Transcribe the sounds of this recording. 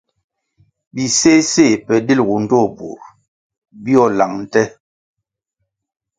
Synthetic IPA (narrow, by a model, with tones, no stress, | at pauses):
bi˨se˦se˦˨pɛ˨di˦˨lɣu˨n̩˦dɔ˦˨bṵ˨ɾ | bi˦ɔ˦˨la˨ŋn̩˨tɛ˦